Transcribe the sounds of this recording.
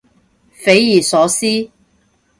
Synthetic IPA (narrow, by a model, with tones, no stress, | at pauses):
fe˨˥jjiː˨˩sɔː˨˥siː˥